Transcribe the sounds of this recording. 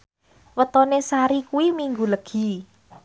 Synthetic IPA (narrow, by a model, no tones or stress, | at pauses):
wət̪ɔnesaɾikuwimiŋɡuləɡ̥i̤